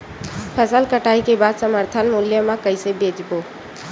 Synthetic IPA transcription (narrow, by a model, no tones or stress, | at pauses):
pʰəsəlkəʈaːikebad̪səməɾt̪ʰənmuljəmãkəɪsebeːd͡ʒbo